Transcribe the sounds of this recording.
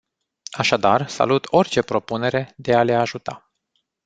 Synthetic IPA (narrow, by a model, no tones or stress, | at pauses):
aʃad̪arsa̰lut̪o̞rʲt͡ʃe̞pɾo̞pune̞ɾe̞d̪e̞ale̞aʒut̪a